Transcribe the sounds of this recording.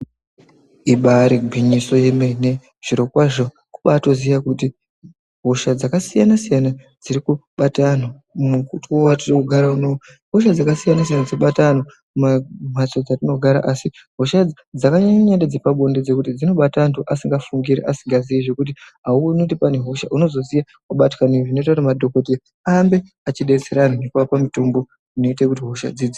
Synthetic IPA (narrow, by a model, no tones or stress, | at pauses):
iɓaɾiɡʱiɲiso̞jemene̞ | ʐ̥iɾo̞kwaʐo | ku̥ɓaːto̞zijakuti | ɦo̞ʃad͡zakasijanasijanad͡ziɾikuɓatano | mukutiowatirokuɡʱaɾaunoo | ɦoʃad͡zakasijanas̬ijanad͡ziɓatano | mam̤at͡so̞d͡zatino̞ɡʱaɾa̰ʔasi | ɦo̞ʃa | d͡zakaɲaɲanded͡zepaɓo̞nded͡zekutid͡zino̞ɓatantuʔasiŋɡafuŋɡiɾḛʔasiŋɡazijeʐe̞kutiɦaunotipane̞ɦo̞ʃa̰ʔuno̞zo̞zija | uɓatkaniʐino̞itatamadʱo̞ko̞t̬e | ambe̞ | at͡ʃiɗet͡seɾanunekuwapamito̞mbo̞ | ino̞itekutiɦo̞ʃa̰d͡zid͡zo